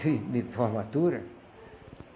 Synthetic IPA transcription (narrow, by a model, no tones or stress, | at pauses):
id̪ipomat̪uɾa̰